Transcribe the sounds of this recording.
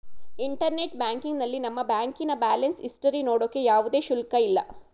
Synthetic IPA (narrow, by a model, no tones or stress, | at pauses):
iɳʈɐɾne̞ʈbaːŋkiŋɡnɐlːinɐmːɐbaːŋkinɐbaːlɐnsisʈɐɾinoːɽokːejaːʋud̪e̞ːʃulkɐilːɐ̰